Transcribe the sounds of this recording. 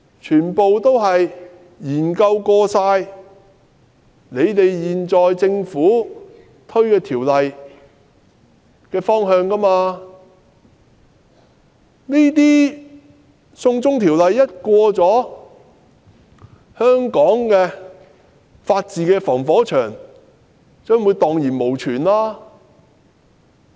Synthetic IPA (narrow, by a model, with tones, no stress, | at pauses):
t͡ʃʰyː˨˩npo˨wt̪o˥wɦɐ˨j | jiː˨˩nkɐ˧wkɔː˧saː˧j | ne˨˧jt̪e˨jjiː˨nt͡sɔː˨jt͡sɪ˧ŋfuː˨˥ | t̪ʰɵ˥ɥkɛː˧t̪ʰiː˨˩wlɐ˨j | kɛː˧fɔː˥ŋɦœː˧ŋkɐ˥maː˧ | niː˥t̪̬iː˥ | sʊ˧ŋt͡sʊ˥ŋt̪ʰiː˨˩wlɐ˨jːɐ˥t̚kʷɔː˧t͡sɔː˨˥ | hœː˥ŋkɔː˨˥ŋkɛː˧ | faː˧t̚t͡siː˨kɛː˧fɔː˨˩ŋfɔː˨˥t͡ʃʰœː˨˩ŋ | t͡sœː˥ŋwuː˨˧jt̪ɔː˨ŋjiː˨˩nmo˨˩wt͡ʃʰyː˨˩nlaː˥